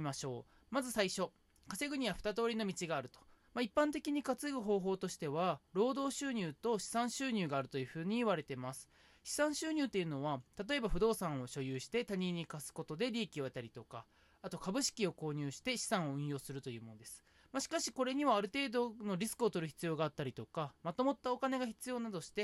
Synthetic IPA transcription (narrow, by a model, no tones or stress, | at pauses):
maɕo̞ː | mazɨsaiɕo̞ | kase̞ɡɯ̟ɲ̟iβaɸɯ̟̥t̪at̪o̞ːɾʲino̞mʲit͡ɕiɡaːɾɯ̟t̪o̥maipːãnt̪e̞kʲiɲ̟ikat͡sɨɡɯ̟ɦo̞ːɦo̞ːt̪o̞ɕi̥t̪e̞βaɾo̞ːd̪o̞ːɕɨːɲ̟ʲɨːt̪o̞ɕi̥sãɰ̃ɕɨːɲ̟ʲɨːɡaːɾɯ̟t̪o̞jɯ̟ːɸɯ̟ːɲ̟iːβaɾe̞t̪e̞masɨ̥ | ɕi̥sãɰ̃ɕɨːɲ̟ɨːt̪ːe̞iɯ̟no̞βat̪at̪o̞e̞baɸɯ̟d̪o̞ːsãɰ̃o̞ɕo̞jɯːɕi̥t̪e̞t̪aɲ̟ĩɲ̟ːikasɨ̥ko̞t̪o̞d̪e̞ɾʲiːkʲio̞e̞t̪aɾʲit̪o̞ka | at̪o̞kabɯ̟ɕi̥kʲio̞ko̞ːɲ̟ʲɨːɕi̥t̪e̞ɕi̥sãɰ̃o̞ɯ̟̃ɰ̃jo̞ːsɨɾɯ̟t̪o̞jɯ̟ːmo̞nod̪esɨ̥ | maɕi̥kaɕi̥ko̞ɾe̞ɲ̟iβaːɾɯ̟t̪e̞ːd̪o̞no̞ɾʲisɨ̥kɯ̟ot̪o̞ɾɯ̟çi̥t͡sɨjo̞ːɡaːt̪ːaɾʲit̪o̞kamat̪o̞mo̞t̪ːaokane̞ɡaçi̥t͡sɨjo̞ːnad̪o̞ɕi̥t̪e̞